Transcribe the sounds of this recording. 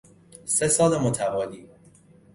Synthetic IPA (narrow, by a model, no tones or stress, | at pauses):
se̞sɒːlemot̪ʰævɒːliː